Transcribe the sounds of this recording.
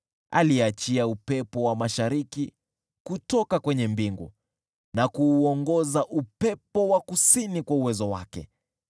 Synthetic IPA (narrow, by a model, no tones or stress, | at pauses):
a̰liat͡ʃiaupɛpɔwamaʃaɾiki | kutɔkakwɛɲɛmbiŋɡṵ | nakuːɔŋɡɔzaʔupɛpɔwakusinikwauwɛzɔwakɛ̰